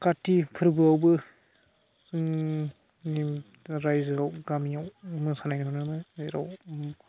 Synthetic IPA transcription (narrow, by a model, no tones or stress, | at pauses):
katipʰɯɾbɯawbɯ | ni | ɾajzawɡamijawmɯsanajnɯɦunɯmɯeɾa̰w